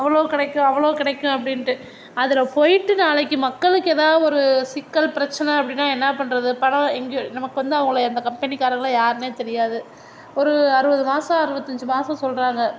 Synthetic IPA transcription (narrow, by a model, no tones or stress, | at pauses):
ɐʋːɐɭoːkɪɽɐkːʊ̃ɐʋːɐɭoːkɪɽɐkːʊ̃ɐpːɐɽɪnʈɯ | ɐðɪlɐpɔjɪʈːɯnaːɭɐkːɯmɐkːɐɭɯkːɯeːðaːðɯɔɾɯsɪkːɐlpɪɾɐt͡ʃːɐnɐɐpːɐɽɪnːaːɛnːɐpɐɳːɾɐðɯpɐɳɐ̃ɛŋɡenɐmɐkːɯʋɐnd̪ɯɐʋɐŋɡɐɭɐnd̪ɐkɐmpɛnikːaːɾɐŋɡɐɭɐjaːɾɯneːt̪ɛɾɪjaːðɯ | ɔɾɯɐɾɯbɐðɯmaːsɐ̃ɐɾɯʋɐt̪ːɐɲd͡ʒɯmaːsɐ̃sɔlːɾaːŋɡɐ